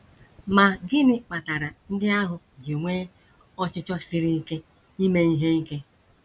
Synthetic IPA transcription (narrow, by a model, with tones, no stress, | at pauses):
ma˨ɡɪ˦nɪ˦k͡pa˨ta˨ɾa˨n̩˦dɪ˦a˦ɦʊ˨ | d͡ʒo˨ŋʷeː˦ | ɔ˦t͡ʃɪ˦t͡ʃɔ˦sɪ̥˨˦li˦ɾi˦ŋ̩˦ke˦ | i˦me˦i˦ɦe˦ŋi˦ke˦